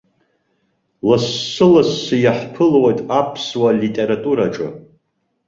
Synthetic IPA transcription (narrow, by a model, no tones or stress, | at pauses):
lasːɨlasːɨjaħpʰɨlwejtʼapʰswalitʼe̞ɾatʼuɾaʈ͡ʂʼɨ̰